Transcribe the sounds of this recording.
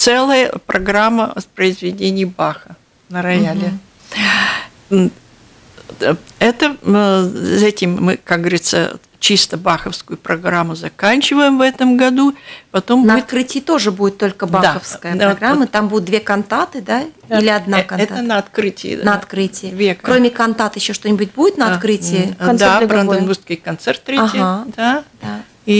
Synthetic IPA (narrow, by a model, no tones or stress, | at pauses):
t̪sɛlˠəjəpɾɐɡɾamːəspɾəɪzvʲɪdʲenʲɪjbaxə | nəɾɐjalʲɪ | ɛt̪ə | sɛtʲɪmːɨkak̚ɡ̚ɡəvəɾʲit̪sə̰ | t͡ɕist̪əbaxəfskʊjʊpɾɐɡɾamːʊzɐkanʲt͡ɕɪvəjɪmvɛt̪əmɡɐd̪upɐt̪o̞mbnəɐɪt̪ɾɨtʲɪɪt̪o̞ʐɨbudʲɪt̪ːo̞lʲkəbaxəfskəjəɡɾamːɨt̪ambud̪ʲʊt̪̚d̪vʲekɐnt̪at̪ɨd̪a | ilʲɪɐd̪nakɐnɛaənəɐt̪kɾɨtʲɪ̰ɪ̰nəɐt̪kɾɨtʲɪjɪd̪vʲekomʲɪkɐnt̪at̪jɪɕːoʂt̪o̞nʲɪbʊt̚ʲbudʲɪt̪nəɐkɾɨtʲɪɪɐnabɾɐnɐnbuskəjkɐnt̪sɛrt̪ːɾʲetɦʲad̪ad̪a | i